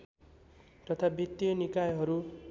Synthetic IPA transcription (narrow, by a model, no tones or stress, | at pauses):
t̪ʌt̪ʰabʱit̪jʌnikajɦʌɾu